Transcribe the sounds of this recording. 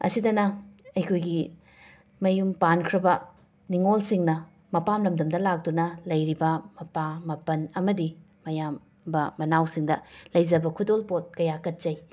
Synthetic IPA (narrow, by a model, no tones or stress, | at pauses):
ɐ̰sidɐnɐɐjkʰojɡi | mɐjumpankʰɾɐbɐ | niŋolsiŋnɐ | mɐpamlɐmdɐmdɐlak̚dunɐlɐjɾibɐmɐpamɐpɐnɐmɐdi | mɐjam | bɐːɐnawsiŋdɐlɐjzd͡ʒɐbɐkʰudolpot̚kɐjakɐt̚t͡ʃɐj